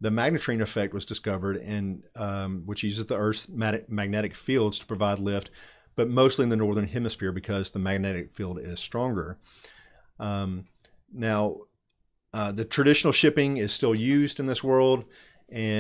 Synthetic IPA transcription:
ðɨmæɡ̚nɨtɹ̥ẽnɨfɛk̚t̚wʌzdɨskʌvə˞ɾɨ̃n | wɨt͡ʃjʉzɨzðiɜ˞θmæɾmæɡ̚nɛɾɨkfilˠdz̥tʰə̥pʰɹ̥ɨvaɪdˡlɪft̚ | b̥ʌt̚moʊstˡliɨ̃nðɨnɔɹðə̃˞nhɪ̃mɨsfɪɹbɨkʰʌzðəmæɡ̚nɛɾɨkfilˠdɪz̥stɹ̥ɔ̃ŋɡə˞ | naʊ | ðɨtʰɹ̥ɨɾɪʃnl̩ˠʃɪpɪ̃ŋɪz̥stɪlˠjʉzdɨ̃nðɪswɜ˞lˠd | ɨ̃

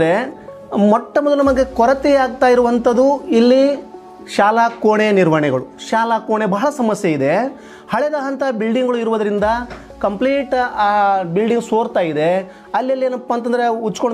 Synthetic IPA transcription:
ɾe | mɔʈːɐmɔd̪ɐlɐmɐɡe̞kɔɾɐt̪ɛaːɡ̚t̪aːjiɾuʋɐnt̪ɐd̪uilːi | ʃaːlakoːɳeniɾʋɐɳɛɡɐɭuʃaːlakoːɳebɐɦɐɭɐsɐmɐsjeid̪e̞ | hɐɭɛd̪aːɦɐnt̪abilɖiŋɡɐɭuiɾuʋɐd̪ɐɾind̪ɐ | kɐmpliːʈ | bilɖiŋɡsoːɾt̪aːjid̪e̞ | ɐlːɐlːieːnɐpːaːnt̪ɐnd̪ɐɾeut͡ʃːkoɳ

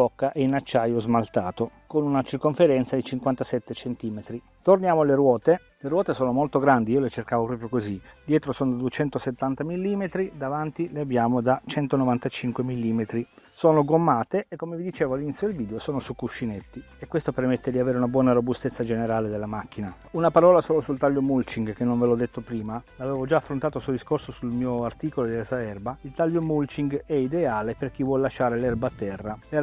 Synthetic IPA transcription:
pɔkːaʔɛinat͡ʃːaːjozmalt̪aːt̪okonunat͡ʃirkoɱfeɾɛnt̪sad̪it͡ʃiŋkwant̪asɛt̪ːet͡ʃent̪iːmet̪ɾi | t̪ornjaːmoleɾwɔːt̪e | leɾwɔːt̪esoːnomolt̪oɡɾand̪iiːolet͡ʃerkaːvopɾɔːpɾjokozid̪jɛːt̪ɾosoːnod̪ad̪uet͡ʃɛnt̪oset̪ːant̪amilːimet̪ɾid̪avant̪ileabjaːmod̪at͡ʃɛnt̪onovant̪at͡ʃiŋkwemilːiːmet̪ɾisoːnoɡomːaːt̪eekːomevid̪it͡ʃeːvoalinit̪sjod̪elviːd̪eosoːnosukːuʃːinet̪ːi | ekːwest̪opermet̪ːed̪iaveːɾeunabwɔːnaɾobust̪et̪sːad͡ʒeneɾaːled̪elːamakːina | unapaɾɔːlasoːlosult̪aʎjomult͡ʃiŋɡkenːoɱvelɔd̪ːet̪ːopɾiːmalavɛːvod͡ʒaːfːɾont̪aːt̪osuod̪iskorsosulmiːoart̪iːkolod̪elasaɛrbailt̪aljomult͡ʃiŋɡɛid̪eaːleperk̟ivwɔlːaʃaːɾelɛrbaːt̪ːɛrːaɛ

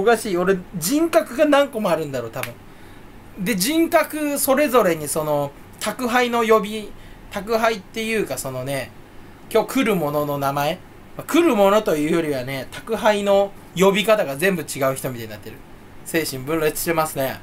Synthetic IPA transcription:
okaɕiːo̞ɾe̞d͡ʑĩŋkakɯ̟ɡanãŋko̞moaɾɯ̟̃nd̪aɾo̞ːt̪abɯ̟̃ɴ | d̪e̞ʑĩŋkakɯ̟so̞ɾe̞zo̞ɾe̞ɲ̟iso̞no̞ | t̪ʰakɯ̟ɦaino̞jo̞bʲit̪akɯ̟ɦait̪ːe̞jɯ̟ːkaso̞no̞ne̞ | kʲo̞ːkɯ̟ɾɯ̟mo̞no̞no̞namae̞ | makɯ̟ɾɯ̟mo̞no̞t̪o̞jɯ̟ːjo̞ɾʲiβane̞t̪ḁkɯ̟ɦaino̞ | jo̞bʲikat̪aɡazẽ̞mbɯ̟t͡ɕiɡaɯ̟çʲi̥t̪o̞mʲit̪aɲinat̪ːeɾɯ̟ | se̞ːɕĩmbɯ̟̃nɾe̞t͡si̥ɨ̥ɕt̪emasɨne̞̰

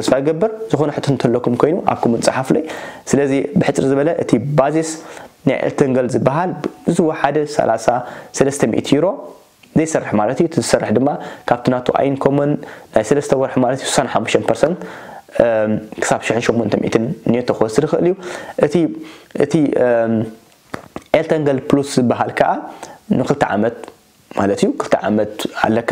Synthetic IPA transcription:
tʰɐsʼfajɡɐbːɨɾzɨxo̞nɐħɨt̪ʰont̪ʰɐlːokʰumkʰo̞jnuʔa̰βkʰomɐnt͡sʼɨħaflojsɨlɐzibɨħɨt͡sʼɾizɨβɐlɐʔɨt̪ʰibazisna̰jʔḛlt̪ʰɐŋɡɐlzɨbːaɦalɨzɨwoħad̪ɐsɐ̰lasasɐlɐst̪ʰɐmḭʔt̪ʰjiɾo̞ | zɐjsɐrːɨħmalɐt̪juɨt̪ʰizɨsɐrːɨħd̪ɨmːakʰaβt̪ʰɨnat̪ʰoʔa̰jɪnkʰomɐnːajsɐlɐst̪ʰɐwɐɾħmalɐt̪ijusu̥sanħamːuʃt̪ʰɐnpʰɐɾsɐnt̪ | kʰɨ̥saβʃɪiħɨnʃomːont̪ʰɐmḭt̪ʰɨnɨnijot̪ʰɐxɐsɨdɨxɨʔɨljuʔɨt̪ʰiʔɨ̰t̪ʰi | ʔelt̪ʰɐŋɡɐlpluszɨbːaɦalkʰɐʔanɨkɨlt̪ʰiʕa̰mɐt̪̚ | malɐt̪ijːukʰɨlt̪ʰɨʕa̰mɐt̪a̰lːɐkʰːa

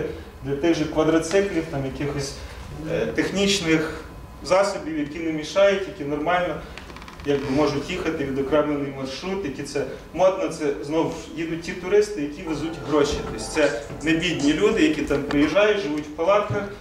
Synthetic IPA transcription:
d̪lʲɐt̪ɪɣʒɔkʋɐd̪ɾɐt̪sɪklʲiwt̪ɑmjɐkɪxɔsʲ | t̪exnʲit͡ʃnɪx | zɑsɔbʲiwjɐkʲinɛmʲiʃɑjʊtʲjɐkʲinɔrmɑlʲnɔ | jɑɡ̚bɪmɔʒʊtʲjixɐt̪ɪʋʲid̪ɔkɾɛmenɪjmɐrʃɾut̪jɐkʲit̪sɛ | mɔd̪nɔt̪sɛznɔwjid̪ʊt̚ʲtʲːit̪ʊɾɪst̪ɪjɐkʲiʋezutʲɦɾɔʃit̪ɔsʲt̪sɛ | nebʲidʲnʲilʲud̪ɪjɐkʲit̪ɑmpɾɪjiʒɑjʊtʲʒɪʋutʲwpɐlˠɑkɐx

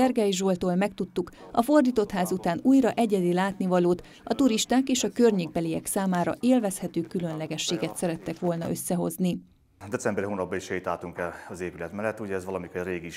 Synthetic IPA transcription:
ɛrɡɛjʒolt̪oːlmɛk̚t̪ut̪ːuk | ɒfo̞rd̪iːt̪o̞t̪haːzut̪aːnuːjrɒʔɛɟɛd̪ilaːt̪nivɒloːt̪ | ɒt̪uɾiʃt̪aːkeːʃɒkørɲeːɡ̚bɛliɛksaːmaːɾɒ̰ʔeːlvɛshɛt̪øːkylø̞nlɛɡɛʃːeːɡɛt̪sɛɾɛt̪ːɛkʋo̞lnɒ̰ʔø̞sːɛɦo̞̰zni | d̪ɛt͡ssɛmbɛɾiɦoːnɒb̚bɒiʃɛjit̪laːt̪uŋkɛlɒzeːpylɛt̪mɛlːɛt̪ːuɟɛːzʋɒlɒmikorreːɡiʃ

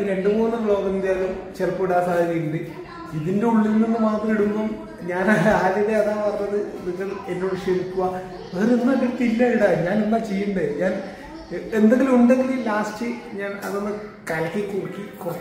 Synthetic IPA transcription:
ɾe̞ɳɖɨmuːnːɨfɭo̞ːɣind̪jaːlɐmt͡ɕerpːuɽaːsaːðiɾiuɳd̪i | iðinde̞uɭːilnːinːɨmaːt̪rɐiɽukːum | ɲaːnaaːliðeɐðaːpɐrɐɲɐðɨniŋɣɐlenːoʋiʂeɾikːuʋa | ʋeɾunːɐʋit̪ːiilːɐiɽaɲaːnimbot͡ɕejːuɳɖɨɲaːn | e̞nd̪eŋɡilumuɳɖeŋɡilulaːstɨɲaːnɐ̰ðonːɐkɐlkːikːurikːikurɐː

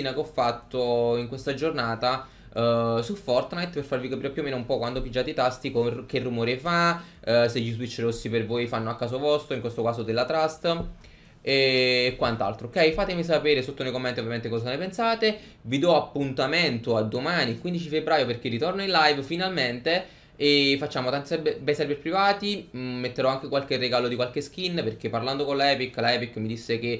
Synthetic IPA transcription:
inakɔfːat̪ːoiŋkwest̪ad͡ʒornaːt̪a | sufɔrt̪najt̪perfarvikapiːɾepjuomeːnoumpɔkwand̪opid͡ʒːaːt̪et̪ast̪ikok̟erːumoːɾefa | sejiswit͡ʃːeɾosːipervojfanːoakːaːsovɔst̪ɾoiŋkwest̪okaːzod̪elːat̪ɾast̪ | eːkːwant̪a̰lt̪ɾoːkɛjfaːt̪emis̬apeːɾesot̪ːonejkomːɛnt̪iovjament̪ekɔzanepensaːt̪e | vid̪ɔapːunt̪ament̪oad̪ːomaːnikwind̪it͡ʃifebːɾaːjoperk̟erːit̪ornoinlajvfinalment̪e | efat͡ʃːaːmot̪ant̪isɛbebɛjsɛɾbeɾpɾivaːt̪imːet̪ːeɾɔaŋk̟ekwalk̟erːeɡalod̪ikwalk̟esk̟inːperk̟epːarland̪okonlaɛːpikːlaɛːpikːmid̪isːek̟e

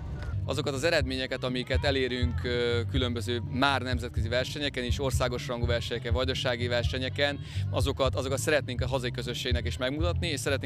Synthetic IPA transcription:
ɒ̰zo̞kɒt̪ɒzɛɾɛd̪meːɲɛkɛt̪ɒmikɛt̪ɛleːɾyŋkkylø̞mbø̞zøːmaːrnɛmzɛt̪̚køzivɛrʃɛɲɛkɛneːʃo̞rsaːɡo̞ʃrɒŋɡuvɛrʃɛɲɛkɛɱvɒɟd̪oʃaːɡivɛrʃɛɲɛkɛn | ɒzo̞kɒt̪ɒzo̞kɒt̪sɛɾɛt̪neːŋkɒɦɒzɒjikøzø̞ʃːeːɡnɛkeːʃmɛɡmut̪ɒt̪nieːʃsɛɾɛt̪ne

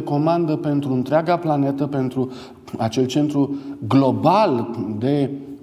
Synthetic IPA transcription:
eko̞mand̪əpe̞nt̪ɾuɨnt̪ɾeaɡaplane̞t̪əpe̞nt̪ɾu | at͡ʃe̞lt͡ʃe̞nt̪ɾuɡlo̞bald̪e̞

